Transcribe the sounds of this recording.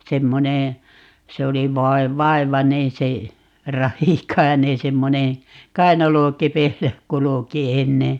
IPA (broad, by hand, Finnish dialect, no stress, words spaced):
semːoneː se oli ʋɑi̯ ʋɑi̯ʋɑneː se rɑhikɑi̯neː semːoneː kɑinɑlokepeilːæ kuluki enːe